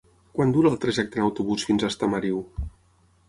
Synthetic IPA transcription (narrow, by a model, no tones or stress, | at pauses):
kwand̪uɾəːlˠt̪ɾaʒɛk̚t̪ənəwt̪uβusfinzəst̪əməɾiw